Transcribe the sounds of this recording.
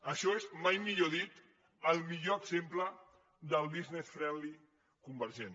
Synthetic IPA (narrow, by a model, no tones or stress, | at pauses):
əʃɔezmajmiʎoðit̪ | əlˠmiʎoəɡzemplə | d̪əlˠdiznesfɾɛli | kumbəɾʒen